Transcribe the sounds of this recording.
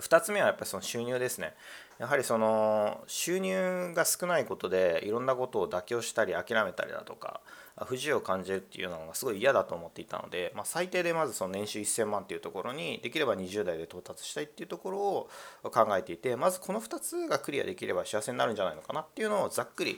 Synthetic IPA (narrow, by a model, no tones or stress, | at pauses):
ɸɯ̟̥t̪at͡sɨme̞βajapːaɾʲi̥so̞noɕɨːɲ̟ɨːd̪e̞sɨne̞ | jaɦaɾʲiso̞no̞ɕɨːɲ̟ʲɨːɡasɨ̥kɯ̟naiko̞t̪o̞d̪e̞iɾõ̞nːako̞t̪o̞ːd̪akʲo̞ːɕi̥t̪aɾʲiakʲiɾame̞t̪a̰ɾḭd̪a̰t̪o̞ka̰ | ɸɯ̟ʑio̞kãɲ̟d͡ʑiɾɯ̟t̪ːeiɯ̰jo̞ːnanoɡasɨɡo̞iːjad̪at̪o̞ːmo̞t̪ːe̞it̪a̰no̞̰d̪e̞masait̪e̞ːd̪e̞mazɨso̞no̞nẽ̞ɰ̃ɕɨːisẽ̞mːãnt̪ːeiɯ̟t̪o̞ko̞ɾo̞ɲ̟id̪e̞kʲiɾe̞baɲ̟iʑɨːd̪aid̪e̞t̪o̞ːt̪at͡sɨ̥ɕi̥t̪ait̪ːeiɯ̟t̪o̞ko̞ɾo̞ːkãŋɡae̞t̪e̞it̪e̞mazɨkʰo̞no̞ɸɯ̟t̪at͡sɨɡakɯ̟ɾʲija̰d̪e̞kʲiɾe̞baɕiase̞ɲinaɾɯ̟nɲd͡ʑanaino̞kanat̪ːe̞iɯ̟no̞ːd͡zakːɯ̟ɾʲḭ